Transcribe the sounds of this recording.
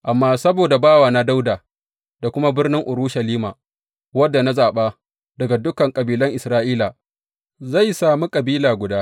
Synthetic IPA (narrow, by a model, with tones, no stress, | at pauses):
ʔa˨mːaː˦sɐ˦boː˨da˨baː˦waː˨na˦da˦wdaː˨ | d̥a˨kʷʊ˦ma˦bɪ˦rnɪ˦ŋʔʊ˨ɾuː˦ʃɐ˨liː˦maː˨ | wɐ˦dːa˨na˦zaː˨ɓaː˦ | dɐ˨ɡa˨dʊ˦kɐ˨ŋkʼɐ˨biː˦lɐ˦ŋʔɪ˨sɾaː˦ʔiː˦laː˨ | za˦˨jsaː˨mu˦kʼɐ˨biː˦laː˨ɡʷʊ˨daː˦